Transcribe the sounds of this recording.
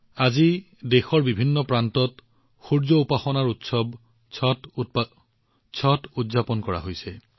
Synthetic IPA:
azi | dexɔɹbibʱinːɔpɹantɔt | xuɹzɔupaxɔnaɹutsɔb | t | sʰɔtudzapɔnkɔɹa̰ɦojsɛ

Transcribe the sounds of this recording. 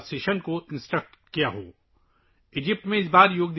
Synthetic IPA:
seːʃənkoɪ̃nsʈɾək̚ʈkijaɦo̰ː | ɪd͡ʒɪp̚ʈmẽɪsbaːɾjoːɡ̚d̪

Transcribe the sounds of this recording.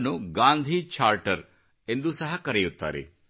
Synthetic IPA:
nuɡaːnd̪ʱit͡ʃʰaːɾʈɐɾ | e̞nd̪usɐɦɐkɐɾejut̪ːa̰ːɾḛ

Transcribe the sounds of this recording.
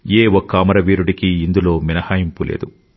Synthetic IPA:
eːwɔkːɐɐmɐɾɐʋiːɾuɽikiːnd̪ulo̞ːminɐhaːjimpulʔḛːd̪u

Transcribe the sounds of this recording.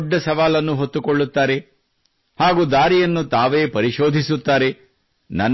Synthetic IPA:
ɖːɐsɐʋaːlɐnːuɦot̪ːukoɭːut̪ːaːɾe | haːɡuːd̪aːɾijɐnːut̪aːʋeːpɐɾiʃo̞ːd̪ʱisut̪ːaːɾe | nɐn

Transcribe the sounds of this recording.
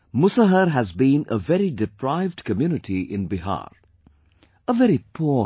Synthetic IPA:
mʊsəɦəɾɦæzbĩːnəvɛɾidɪpɾaɪvɖkəmjunɨʈʰiʔɪ̰̃nbɪɦa̰ːɾ | əvɛɾipʰu

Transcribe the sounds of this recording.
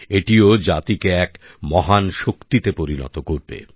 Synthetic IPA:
eʈiod͡ʑat̪ikeɛk | mɔɦanʃokt̪it̪epoɾinɔ̰t̪okoɾbḛ

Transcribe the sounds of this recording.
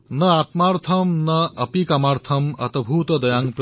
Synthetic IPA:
nɐat̪maɾt̪ʰɐmnɐʔɐpikamaɾt̪ʰɐmɐ̰t̪bʱut̪ɐd̪ɐjaːŋɡp

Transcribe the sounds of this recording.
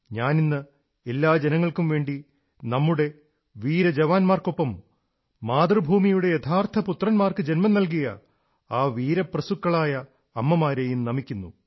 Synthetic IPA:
ɲaːninːɨ | e̞lːaːd͡ʑenɐŋːɐɭkumʋe̞ːɳɖi | nɐmːuɽe̞ | ʋiːɾɐd͡ʑɐʋaːnmaːrko̞pːɐmː | aːd̪rɨbʱuːmijuɽe̞jet̪ʰaːrt̪ʰɐput̪rɐnmaːrkɨd͡ʑe̞nmɐnɐlk̬ijɐ̰ | aːʋiːɾɐprɐsukːɐɭaːjɐː | mːɐmaːɾejumnɐmikʲːunːṵ

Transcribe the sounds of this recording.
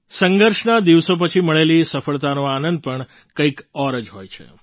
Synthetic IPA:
səŋɡəɾʃnad̪iʋsop̬ət͡ʃʰiməɭelisəfəɭt̪anoanənd̪̚pəɳ | kəjkɔɾəd͡ʒɦojt͡ʃʰḛ

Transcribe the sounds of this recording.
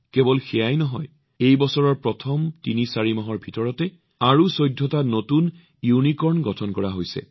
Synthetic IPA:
kɛbɔlxɛjajnɔɦɔj | ejbɔsɔɹɔɹpɹɔtʰɔmtinisaɹimaɦɔɹbʱitɔɹɔtɛ | aɹusojdʱːɔtanotun | junikɔɹnɡɔtʰɔnkɔɹaɦojsɛ̰

